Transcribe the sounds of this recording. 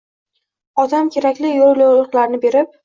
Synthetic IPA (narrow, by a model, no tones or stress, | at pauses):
ɒd̪amkʲʰe̞ɾakʲlɪjollowlˠɨqlaɾnɪbe̞ɾɪp̚